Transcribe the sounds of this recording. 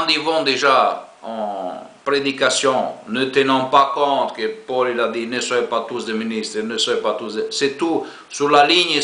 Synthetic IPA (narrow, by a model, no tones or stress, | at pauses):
d̪ivɑ̃d̪eʒa | ɑ̃pɾed̪ikasjɔ̃nət̪enɑ̃pakɔ̃t̪kəpɔlilad̪inəsaɛpat̪usd̪eminist̪ɾnəsɔɛpat̪usd̪esɛt̪u | syʁlaliɲ